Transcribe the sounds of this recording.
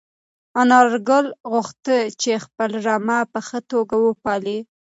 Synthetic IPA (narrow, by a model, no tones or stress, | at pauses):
anɑɾɡəlɣʊxt̪ət͡ʃexpəlɾamapəxət̪oɡawəpɑli